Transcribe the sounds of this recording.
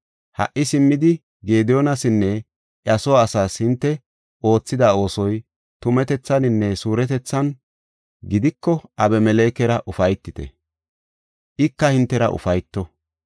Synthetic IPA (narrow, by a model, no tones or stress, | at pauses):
hɐ̰ʔːɪsɪmːɪd̪ɪ | ɡe̞ːd̪joːnɐsɪnːɛ | ʔɐsɔwaːsaːshɪnt̪ːɛ | ʔo̞ːt͡sːɪd̪ao̞ːsɔj | t̪ʊmɛt̪ɛt͡sːɐnɪnːɛsuːɾɛt̪ɛt͡sːɐn | ɡɪd̪ɪkːɔʔɐbɛmɛleːkɛɾɐʔʊfɐjt̪ːɪt̪ɛ̰ | ʔɪkːɐhɪnt̪ːɛɾɐ̰ʔʊ̰fɐjt̪ːɔ